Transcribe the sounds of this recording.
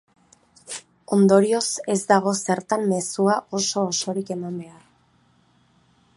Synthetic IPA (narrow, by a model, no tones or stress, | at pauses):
o̞nd̪o̞ɾio̞se̞zd̪aɣ̞o̞se̞ɾt̪amme̞suaʔo̞so̞ːso̞ɾike̞mambe̞ar